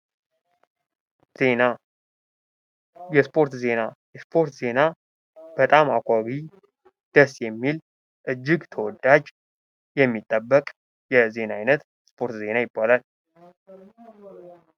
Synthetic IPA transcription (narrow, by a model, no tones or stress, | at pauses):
e | jɛspʰo̞ɾt̪ze̞najɛspʰo̞ɾt̪ze̞na | b̥ət̪ʼamakʷʼaɡi | d̪̥əsjɛmːil | ʔɨd͡ʒːɪɡt̪ʰəwɔd̪ːad͡ʒ | jɛmːit̪ʼːəbːəkʼ | jɛze̞naajnət̪ | spʰo̞ɾt̪ze̞najɪbːalal